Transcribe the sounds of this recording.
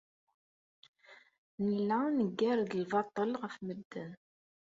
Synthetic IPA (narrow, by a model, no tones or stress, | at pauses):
nilanəɡːæɾɡəlvɑt̪ˤəlʁəfməd̪ːən